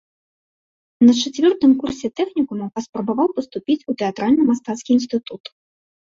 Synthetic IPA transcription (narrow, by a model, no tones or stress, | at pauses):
nɐt͡ʂat͡sʲvʲɔrt̪ɨmkursʲɛt̪ɛxnʲikumupɐspɾɐbavawpɐst̪upʲit͡sʲut̪ɛat̪ɾalʲnɨmast̪at̪skʲiinst̪ɨt̪ut̪